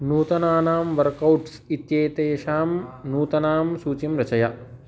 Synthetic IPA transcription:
nuːt̪ɐnaːnaːmʋɐɾkɐwʈsit̪jeːt̪eːʃaːmnuːt̪ɐnaːmsuːt͡ʃimɾɐt͡ʃɐjɐ

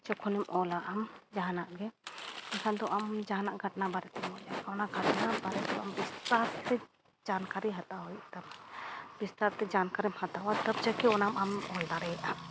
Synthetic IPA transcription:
t͡ʃɔkʰɔnɛmʔɔlaʔəmd͡ʒaɦnaʔɡɛk̪akʰand̪ɔʔamd͡ʒaɦnaʔɡʱəʈnabaɾɛt̪ɔd͡ʒakanaɡʱɐʈnabaɾɛt̪ambist̪aɾt̪ɛ | d͡ʒankaɾiɦat̪ait̪amabist̪aɾt̪ɛd͡ʒankaɾimhat̪awat̪əb̚d͡ʒakɛɔnamamɔld̪aɾɛɛt̪a

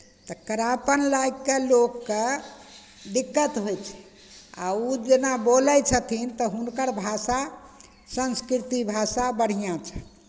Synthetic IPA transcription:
t̪ɔkəɾapənlaikːelokːe | ɖikːət̪ɦojt͡ʃʰɛ̥ | a̰ud͡ʒenaboləjt͡ʃʰət̪ʰint̪ɔɦunkəɾbʱasa | sənskɾit̪ibʱasabəɽ̤ijãt͡ʃʰɛ̥

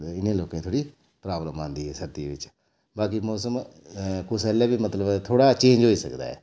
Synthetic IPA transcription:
ɪnẽːloːkẽːt̪ʰoːɽiː | pɾaːbləmãːnd̪iːɦɛːsəɾt̪iːʋɪt͡ʃ | baːkimɔːsəm | kʊsɛːlɛːbiːmət̪ləbt̪ʰoːɽaːt͡ʃẽːnd͡ʒɦoːiːsəkd̪a̰ːɛ̰ː

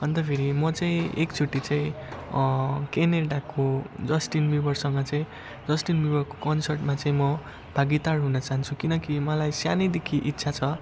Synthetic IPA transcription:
b̥ʱʌnd̪ʌpʰeɾimʌt͡saĩekt͡sʰuʈːit͡saĩ | keneɽakod͡zʌsʈinbibʌrsʌŋɡʌt͡saĩ | d͡zʌsʈinbibʌrko̥kʌnsʌrʈmat͡saĩmʌ | b̥ʱaɡit̪arɦunʌt͡saɦant͡sʰukinʌkimʌlajsjanid̪ekʰiʔitːsʰat͡sʰʌ

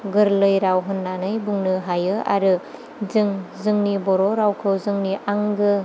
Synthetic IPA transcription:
ɡɯɾlɯjɾawɦɯnːanɯjbuŋnɯɦajɯa̰ɾɯ | zɯŋzɯŋnibɔɾɔɾawkʰɯwzɯŋniʔaŋɡɯ

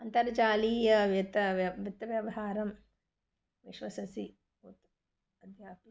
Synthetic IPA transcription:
ɐnt̪ɐɾt͡ʃaːliːjɐjɐt̪ɐɐʋit̪ːɐʋjɐʋɐɦaːɾɐm | ʋiʃʋɐsɐsi | ut̪ | ɐd̪ʱjaːpi

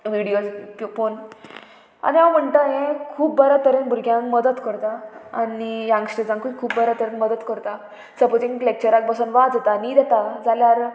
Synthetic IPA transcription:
ʋiɽijod͡zfon | a̰niawm̤əɳt̪əɦẽkʰuːpbəɾat̪əɾenbʱuɾɡʱjãŋkməd̪ət̪kəɾt̪aanijãŋɕʈed͡zãŋkukʰuːbbəɾat̪əɾənməd̪ət̪kəɾt̪a | səpot͡sĩŋklek̚t͡ɕəɾak̚bəsənʋad͡zət̪anid̪et̪ad͡zaljaɾ

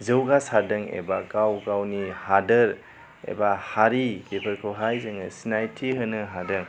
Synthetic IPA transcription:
zɯwɡasadɯŋḛbaɡawɡawnihadɯɾ | ḛbahaɾib̥ipʰəɾkʰɯwɦajzɯŋɯsinajtʰiɦɯnɯɦadɯŋ

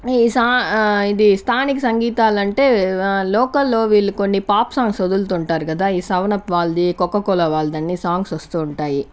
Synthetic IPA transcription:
saːid̪ist̪ʰaːnik̬isɐŋɡiːt̪aːlɐɳʈe̞ːlɔːkɐlːo̞ːʋiːɭːukonːipaːpsaːŋɡsɐd̪ult̪uːɳʈaːɾukɐd̪aːiːsɐʋɐnɐpʋaːld̪ikɔkːɐkɔlɐʋaːld̪ɐnːisaːŋɡsʋɐst̪uːɳʈaːji

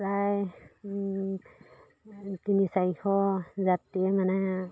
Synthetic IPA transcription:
pɹaj | tinisajhɔzatiɛmanɛ

